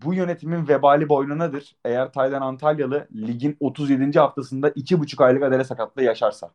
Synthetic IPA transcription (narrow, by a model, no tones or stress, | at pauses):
bujø̞ne̞t̪ʰiminvebaːlʲibo̞jlunad̪ɯɾ̥e̞jæɾt̪ʰajd̪anant̪ʰalʲjalˠɯlʲiɟino̞t̪ʰuzje̞d̪ind͡ʒiɦaft̪ʰasɯnd̪aʔit͡ʃʰibut͡ʃʰukajlˠɯkad̪elʲɛsakat̪̚lˠajaʃaɾsa̰